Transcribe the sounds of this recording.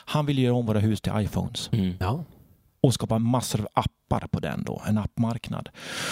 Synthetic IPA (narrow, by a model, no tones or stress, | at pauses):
hanvɪlːjøːɾaɔmvoːɾaɦʉ̟ːst̪ʰɪlʔajfɔ̰ːns | ɔskɑːpamasːəɾɑʔapːa̰ɾpʰɔd̪ɛ̰nd̪o̰ːɛnapːmaɾkna̰d̪̥